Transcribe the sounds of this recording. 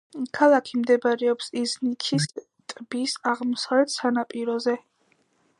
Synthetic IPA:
kʰalˠakʰimd̪ɛbaɾɛɔpsiznit̪ʰis | t̪ʼbisaʁmɔsavlɛt̪ʰsanapʼiɾɔzɛ

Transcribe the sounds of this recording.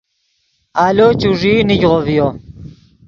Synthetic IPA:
aːlot͡ɕuʐiːniɡʁovijo

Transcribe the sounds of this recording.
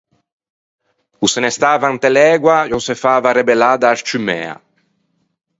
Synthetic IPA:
usenest̪aːvaːnt̪elɛːɡwajɔsefaːvaɾebelaːd̪aːst͡ʃymɛ̰ːa̰

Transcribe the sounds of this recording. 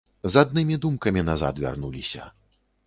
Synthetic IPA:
zad̪nɨmʲid̪umkɐmʲinaza̰t̪vʲa̰rnulʲisʲɐ̰

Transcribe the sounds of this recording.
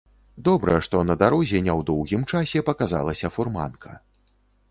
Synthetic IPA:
d̪ɔbɾɐʂt̪ɔnɐd̪aɾɔzʲɛnʲɛwd̪ɔwɣʲimt͡ʂasʲɛpɐkaza̰lˠɐsʲɐfurma̰nkʰɐ

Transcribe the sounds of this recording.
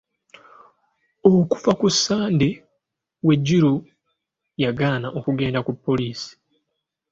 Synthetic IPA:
oku̥fakusːaːndi | we̞ɟːiɾu | jaɡaːnaʔo̞kuɡe̞ːndakupːo̞liːsi̥

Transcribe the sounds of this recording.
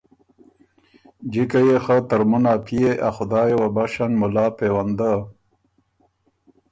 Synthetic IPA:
d͡ʒikajexat̪aɾmunapʰijeʔaxʊd̪aːjewabaʃanmʊlaːpewand̪a

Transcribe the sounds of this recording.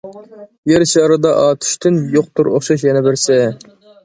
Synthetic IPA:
jeɾʃɑɾɨd̪ɑʔɑːt̪ʰy̥ʃt̪ʰynjoq̚t̪uɾo̰χʃɑʃjɛnɛbɪɾsɛ

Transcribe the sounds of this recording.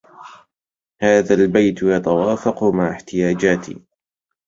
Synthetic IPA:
haːðaːlbajt̪jɑt̪awaːfɑqʊmaʕɪħt̪ɪjaːd͡ʒaːt̪ʰḭ

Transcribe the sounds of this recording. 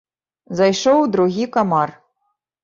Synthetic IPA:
zajʂowd̪ɾuɣʲikamar

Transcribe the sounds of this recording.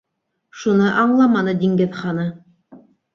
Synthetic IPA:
ʃunɤʔɑɴlˠɑmɑnɤd̪ʲiŋɡɘðχɑnɤ

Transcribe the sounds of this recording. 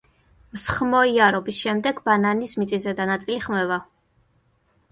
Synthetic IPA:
msχmɔiaɾɔbisʃɛmd̪ɛɡbananismit̪sʼizɛd̪anat̪sʼiliχmɛva

